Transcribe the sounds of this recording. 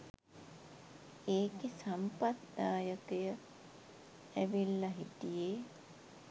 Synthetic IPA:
eːkesampat̪d̪aːjəkəjə | æʋilːaɦit̪ijeː

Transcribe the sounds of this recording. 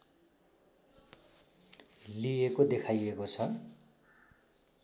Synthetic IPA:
liekod̪ekʰajekot͡sʰʌ

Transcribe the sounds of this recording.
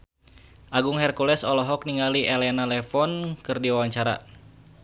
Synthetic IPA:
ʔaɡuŋhɛrkulɛsɔlɔɦɔk̚niŋaliʔɛlɛnalɛfɔnkɨrdiwawaɲt͡ʃaɾa̰

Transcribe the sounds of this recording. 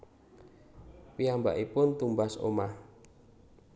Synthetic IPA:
piamba̰ʔipʊnt̪umbaso̰mah

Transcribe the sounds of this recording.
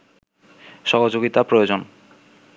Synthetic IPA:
ʃɔɦod͡ʑoɡit̪apɾojod͡ʑon

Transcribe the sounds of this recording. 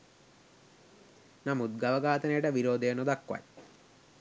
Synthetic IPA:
nɐmud̪̚ɡɐʋɐɡaːt̪ɐnejʈɐʋiɾoːd̪ejɐnod̪ɐkːwa̰j

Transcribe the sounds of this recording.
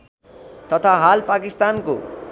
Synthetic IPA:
t̪ʌt̪ʰaɦalpakist̪anko̰

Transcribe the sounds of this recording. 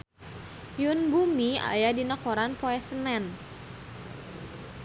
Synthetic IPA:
junbumia̰jadinakɔɾanpoɛsənɛn

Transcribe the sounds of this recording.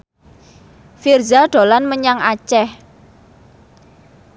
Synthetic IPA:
firzaɖ̥o̤lanməɲaŋat͡ʃɛh

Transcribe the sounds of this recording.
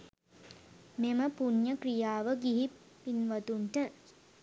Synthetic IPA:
meməpuɲjəkrijaːʋəɡiɦi | pːinʋɐt̪uɳʈə

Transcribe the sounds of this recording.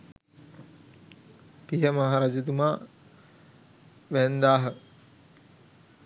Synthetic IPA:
kiɦəmaɦaɾad͡ʒɐt̪̬umaː | ʋænd̪aːɦə

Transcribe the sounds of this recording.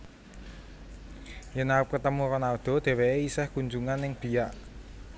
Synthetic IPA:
jənaɾəp̚kət̪əmuɾɔnaod̪̥ɔ̤d̪̥e̤weeisɛhkuɲd͡ʒuŋanːɪŋb̥i̤jaʔ

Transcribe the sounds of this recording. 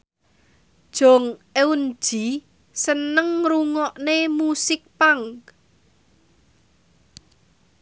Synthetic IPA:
d̥ʒ̥ɔ̤ŋeun̥ʒ̥i | sənəŋruŋɔʔnemusɪk̚paŋk

